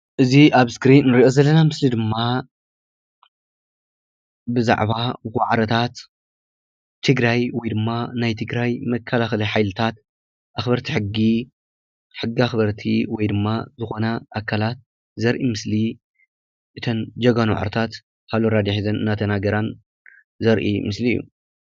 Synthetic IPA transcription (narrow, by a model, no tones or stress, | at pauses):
ʔɨziʔaβskɾinːɨɾiʔo̞zɐlːɐnamɨslid̪ɨmːa | bɨza̰ʕβawaʕɾɐt̪ʰat̪ | t̪ʰːɨɡɾajwɔjd̪ɨmːanajt̪ʰɨɡɾajmɐkʰːɐlaxɐlɐjħajlɨt̪ʰat̪ | ʔaxbɐɾt̪ʰiħɨɡːi | ħɨɡːiaxbɐɾt̪ʰiwɔjd̪ɨmːazɨxo̞nɐʔːkʰːalat̪̚ | zɐɾʔimɨsli | ʔɨt̪ʰɐnd͡ʒɐɡanw̰ʕ̰ɾɐt̪ʰat̪ | kʰaβloɾad̪iħizɐnɨnːat̪ʰɐnaɡɐɾan | zɐɾʔḭmɨsliḭjːṵ